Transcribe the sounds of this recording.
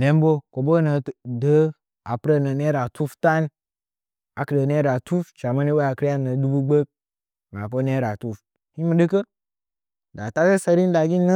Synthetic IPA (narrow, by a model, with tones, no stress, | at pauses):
le˦m˦bo˦ko˨bo˦nə˨də˨˦ | a˨pɾe˦nə˨ne˦ɾa˨tu˦fta˦n˦ | a˨kə˨də˨n˦e˦ɾa˨tu˦ft͡ʃa˨ma˦ni˦wa˦a˨kɾa˦nə˨du˦bu˦ɡ͡be˦k̚ | na˨po˦ne˦ɾa˨tu˦f | hi˦mu˨˦dɨ˦kə˦ | da˨ta˦ke˦sa˧ɾi˦n˦da˨ɡʲi˦n˦nə˦